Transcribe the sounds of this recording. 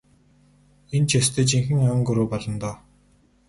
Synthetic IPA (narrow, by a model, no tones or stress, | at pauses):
ent͡ɕʰest̪ʰĕːt͡ɕiŋxɘ̆ŋawŋɡɵɾoːpɔɮɞ̆nt̪ɔː